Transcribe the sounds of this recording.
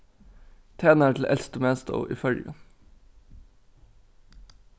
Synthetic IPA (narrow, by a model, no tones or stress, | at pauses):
t̪ʰeːnəæːʈʰl̩ʔɛ̰lst̪ʊmeːst̪ɑ̰ʊʔḭːfœlɡɑ